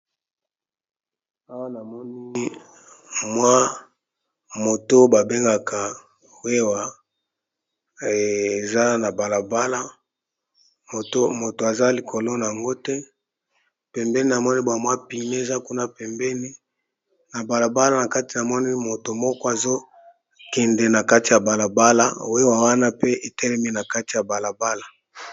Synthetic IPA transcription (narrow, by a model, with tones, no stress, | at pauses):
a˦wa˦na˨mɔ˦ni˦ | mwa˦ | mo˨to˦ba˨be˦ŋɡa˨kʰa˨ | we˦wa˨ | e˨za˦na˨ba˨la˨ba˦la˦ | o˨to˦mo˨to˨a˨za˦li˨kʰo˨lo˦na˨a˨ŋɡo˦tɛ˦ | pɛ˨mbɛ˦ni˦na˨mɔ˦ni˦bwa˨mwa˦pi˨ne˦e˨za˦ku˦na˦pɛ˨mbɛ˦ni˦ | na˨ba˨la˨ba˦la˦˨na˨ka˦ti˨na˨mɔ˦ni˦mo˨to˨mɔ˦kɔ˦a˨zo˦ | kɛ˨ndɛ˨na˨ka˦ti˨ja˨ba˨la˨ba˦la̰˦we˦wa˨wa˦na˦pe˦ʔe˨tɛ˦lɛ˦mi˦na˨ka˦ti˨ja˨ba˨la˨ba˦la˨